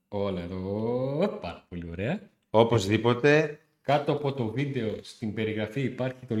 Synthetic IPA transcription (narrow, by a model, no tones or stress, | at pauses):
o̞lɐeðo | pɐɾɐpo̞lio̞ɾe̞ɐ | o̞po̞zðipo̞t̪e̞ | kɐt̪oɐpo̞t̪o̞vid̪e̞ost̪imbe̞ɾiɣɾɐfiipɐɾçit̪o̞